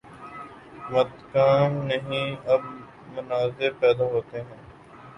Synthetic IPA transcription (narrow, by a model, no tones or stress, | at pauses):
mɐt̪kaːmnɐɦĩɐb | mʊnaːzɪɾpɛːd̪aɦoːt̪eɦɛ̃ː